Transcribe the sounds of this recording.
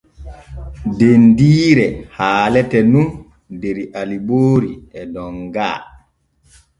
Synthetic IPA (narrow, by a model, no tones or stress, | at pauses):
dendiːɾɛhaːlɛtɛnun | deɾiʔaliboːɾiɛdɔŋɡa̰ː